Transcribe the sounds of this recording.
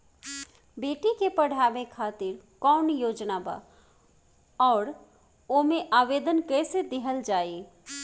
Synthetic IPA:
beːʈikepɐɽ̤ʱaːʋekʰaːt̪ɪɾkɔːnjoːd͡ʒnaba̰ː | ɔːɾ | omẽʔaːʋeːd̪ənkɛːsed̪ɪɦəld͡ʒaːe

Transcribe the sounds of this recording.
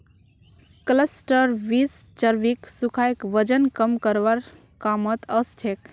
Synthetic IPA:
kləsʈəɾʋist͡ʃəɾbiksukʰajkʋəd͡ʒənkəmkəɾʋaɾ | kamət̪əst͡ʃʰek

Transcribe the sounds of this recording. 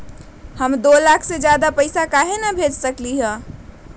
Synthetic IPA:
həmd̪olakʰsed͡ʒjad̪apəɪsakaɦenabʱed͡ʒsəkliɦə̃

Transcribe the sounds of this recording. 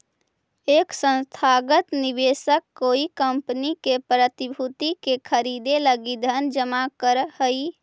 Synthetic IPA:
eksə̃nst̪ʰaɡət̪nibesəkːoikəmpənikepɾət̪ibʱut̪ikekʰəɾid̪eləɡid̪ʱənd͡ʒəmakəɾhəi

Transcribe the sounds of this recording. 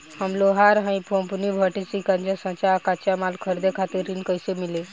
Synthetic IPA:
həmloɦaɾɦãĩpʰompunibʱəʈisikãnt͡ɕasãt͡ɕaːkat͡ɕamalkʰəɾd̪ekʰat̪iɾinkəjsemile

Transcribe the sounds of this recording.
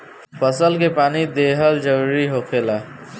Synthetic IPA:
pʰəsəlk̬epaːnid̪eːɦəld͡ʒəɾuːɾiɦoːkʰelaː

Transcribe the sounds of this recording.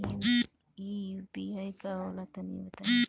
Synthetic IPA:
ijʊpɪajkaolat̪amɪ̰wat̪a

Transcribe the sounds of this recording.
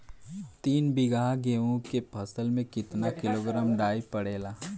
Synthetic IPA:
t̪iːnbɪɡaːɦɡeːõkepʰɐsəlmẽkɪt̪nakɪloːɡɾaːmɖaːipəɽeːlaː

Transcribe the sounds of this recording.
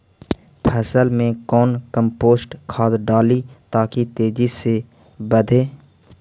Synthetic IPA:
pʰɛːsəlmẽkɔːnkə̃mpoːsʈkʰaːd̪ɖaːlit̪aːkit̪eːd͡ʒise | bəd̪ʱeː

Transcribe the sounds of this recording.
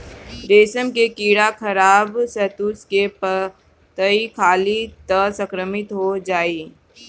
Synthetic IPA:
ɾeːsəmkekiːɽakʰɐɾaːbsɛt̪uːskep | t̪əikʰaːlit̪əsə̃kɾəmɪt̪ɦod͡ʒaːiː

